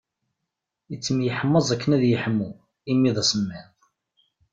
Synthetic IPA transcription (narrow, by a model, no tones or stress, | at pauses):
ət͡sːəmjəħəmːəzˤækːənæðjəħəmːu | imːiðˤæsəmːɪðˤ